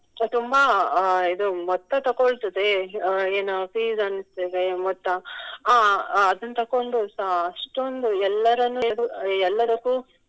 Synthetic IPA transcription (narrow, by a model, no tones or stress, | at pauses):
t̪umbaid̪umɔt̪ːɐt̪ɐkoɭt̪ɐd̪eeːnufiːzɐnist̪ed̪emɔt̪ːɐaːɐd̪ɐnːɐt̪ɐkːoɳɖusɐɐʂʈond̪uɛlːɐɾɐnːud̪uɛlːɐd̪ɐkːuː